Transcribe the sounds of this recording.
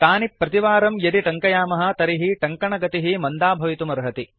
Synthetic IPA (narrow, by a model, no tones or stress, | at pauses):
t̪aːnipːɾɐt̪iʋaːɾɐmjɐɾiʈɐŋkɐjaːmɐɦɐ̆t̪ɐɾiɦiʈɐŋkɐɳɐɡɐt̪iɦimɐnd̪aːbʱɐʋit̪umɐɾɦɐt̪i